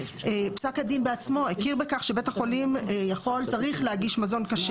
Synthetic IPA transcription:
epsakhadinbeat͡smo̞ekiʁbekaχʃe̞be̞taχolimejaχo̞lt͡saʁiχlehaɡiʃmazo̞nkaʃe

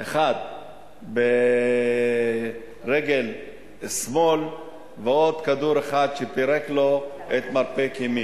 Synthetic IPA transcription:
ʔeχad̪̚ | be | ʁeɡel | smol | veo̞d̪kad̪uɾeχad̪ʃepiɾeklo̞ | et̪maɾpekemi

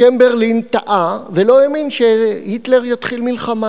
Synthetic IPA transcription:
embeʁlint̪aʔavelo̞eminʃehit̪le̞ʁjat̪χilmilχama

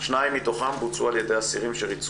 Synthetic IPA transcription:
ʃnaimːit̪o̞χambut͡sualjed̪ejasiʁimʃeʁit͡s

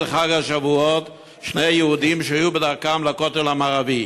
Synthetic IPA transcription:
leχaɡaʃavuot̪ | ʃnejajeud̪imʃeajubed̪aʁkamlakot̪elhamaːʁavi

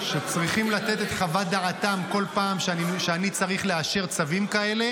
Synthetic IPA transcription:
ʃet͡sʁiχimlat̪e̞t̪e̞t̪χavad̪aat̪amko̞lpaːmʃiʃeanit͡saʁiχleaʃe̞ʁt͡savimkae̞le̞

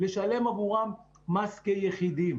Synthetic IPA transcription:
le̞ʃale̞mavuʁamː | askejeχid̪im

